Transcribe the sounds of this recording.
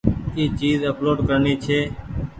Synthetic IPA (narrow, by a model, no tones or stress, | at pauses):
iːt͡ʃiːzəploːɖkəɾniːt͡ʃʰeː